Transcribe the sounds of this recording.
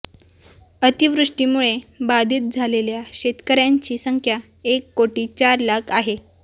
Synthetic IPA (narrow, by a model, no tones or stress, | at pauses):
ət̪iʋɾuʂʈiːmuɭebad̪ʱiːt̪̚d͡zʱaleljaɕet̪kəɾjaɲt͡ɕiːsəŋkʰja | ekːoʈiːt͡ɕaɾlakʰaɦe